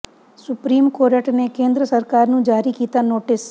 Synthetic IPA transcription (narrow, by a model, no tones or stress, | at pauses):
sʊpɾiːmkoːɾəʈnekẽːnd̪ɾəsəɾkaːɾnũd͡ʒaːɾikiːt̪anoːʈɪs